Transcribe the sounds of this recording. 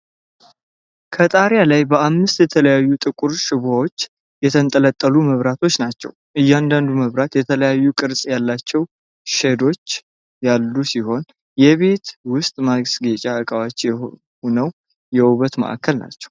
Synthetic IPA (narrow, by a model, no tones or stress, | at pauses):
kʰət̪ʼaɾjalajbəamːɨst̪jɛt̪ʰələjajːut̪ʼɨkʼuɾʃɪβawo̞t͡ʃː | jɛt̪ʰənt̪ʼələt̪ʼːəluməβɾat̪ʰo̞t͡ʃːnat͡ʃːɛ̰wʔɨjːand̪and̪uməβɾat̪jɛt̪ʰələjajːukʼɨɾsʼjalːat͡ʃːɛw | ʃɛd̪o̞t͡ʃː | jalːusiho̞n | jɛβe̞t̪wʊst̪ʼmaɡsɡet͡ʃʼaəkʼawat͡ʃːjɛ | onəw | jɛuβət̪mə̰ʔa̰kʰːəlna̰t͡ʃːɛ̥w